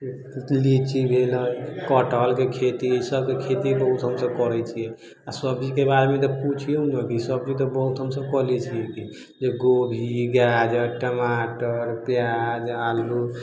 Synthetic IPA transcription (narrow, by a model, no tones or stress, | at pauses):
lit͡ʃibʱeləjkɔʈɔlkekʰet̪isəb̚kekʰet̪ibəɦut̪ɦəmsəb̚kɔɾɛt͡ʃʰijɛ | asəb̚t͡ʃikebaɾemẽt̪̬ɔput͡ʃʰijunəkisəb̚t͡ʃit̪ɔbəɦut̪ɦəmsəb̚kɔɦlɛt͡ʃʰiɛki | d͡ʒeɡobʱiɡad͡ʒeʈʈəmaʈəɾpjad͡ʒalu